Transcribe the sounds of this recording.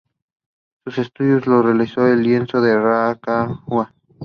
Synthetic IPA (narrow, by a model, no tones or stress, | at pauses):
susest̪uðjoslorealisoelːjensoðerakawa